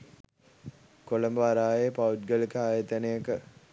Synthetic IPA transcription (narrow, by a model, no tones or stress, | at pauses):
koləmbəʋaɾaːjepaut̪ɡəlikəaːjət̪ənejəkə